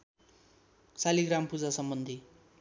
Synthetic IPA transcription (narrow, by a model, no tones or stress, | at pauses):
saliɡrampud͡zasʌmbʌnd̪ʱi